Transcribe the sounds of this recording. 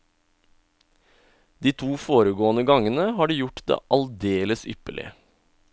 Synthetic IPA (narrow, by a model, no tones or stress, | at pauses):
d̪iːt̪ʰuːfoːɾəɡoːənəɡɑŋənəhɑːɖiːjʊʈd̪ḛːʔɑld̪eːləsʏ̰pəɭɪ̰ə